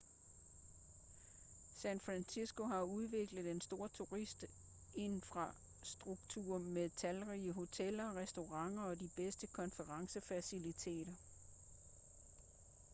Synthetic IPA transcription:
sænfʁænsisɡ̥o̝ɦɑ̈uð̞ˠʋe̝ɡ̥ləð̩ˠe̝nsd̥o̝ːɐ̰t͡sʰuʁisd̥ | e̝nfʁɑ̈ | sd̥ʁuɡ̥̚t͡sʰṵɐ̰meðˠt͡sʰælʁiːəɦo̝t͡sʰel̰ɐʁɛsd̥o̝ʁɑ̈ŋ̰ɐɒ̽d̥ib̥esd̥əkʰɒ̽nfəʁɑ̈ŋsəfæsilit͡sʰe̝̰ːɾ̥ɐ

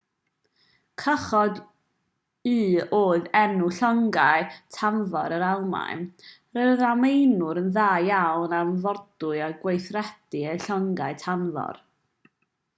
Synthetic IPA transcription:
kʰəχɔd | ɨːoːɨðɛnuɬɔŋɡajtʰanvɔɾəɾalˠma̰jn | rəðamejnʊɾənðaːjjawnamvɔdʊɨaɡwejθrɛd̥iejɬɔŋɡaɨtʰanvɔ̰r

